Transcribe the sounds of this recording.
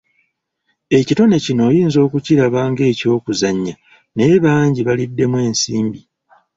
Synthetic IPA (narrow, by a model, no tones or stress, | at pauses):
e̞cito̞ne̞cino̞ːjiːnzo̞ːkuciɾaβaːŋɡe̞ːco̞ːkuzaɲːa | neβaːɲɟiβalidːe̞mwe̞ːnsiːmbi